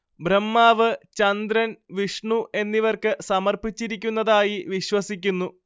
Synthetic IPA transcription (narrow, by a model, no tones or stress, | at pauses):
bremːaːʋɨt͡ɕɐnd̪ɾɐnʋiʂɳuʔe̞nːiʋɐrkɨsɐmɐrpit͡ɕːiɾik̬ʲːunːɐðaːjiʋiɕwɐsikʲːunːu